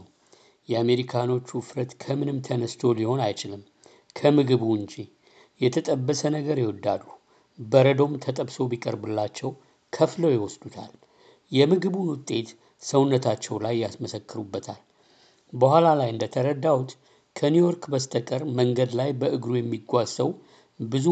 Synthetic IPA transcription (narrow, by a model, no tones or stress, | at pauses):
jɛame̞ɾikʰano̞t͡ʃːufɾət̪kʰəmɨnɨmt̪ʰənəst̪ʰo̞liho̞najt͡ʃɪlɨm | kʰəmɨɡɨβuɨnd͡ʒi | jɛt̪ʰət̪ʼəbːəsənəɡəɾjɛwɔd̪a̰d̪ːu | bəɾəd̪o̞mt̪ʰət̪ʼəbso̞bikʼəɾbɨlːat͡ʃːɛw | kʰəfləwjɪwɔsd̪ut̪ʰa̰l | jɛmɨɡɨβunwʊt̪ʼːe̞t̪ | səwnːət̪ʰat͡ʃːɛwlajːasməsəkːɨɾubːət̪ʰal | bəhʷalalajɨnd̪ət̪ʰəɾəd̪ːawut̪ | kʰənjujo̞ɾkbəst̪ʰəkʼəɾməŋɡəd̪lajbəʔɨɡɾujɛmːiɡʷːazəw | bɨzu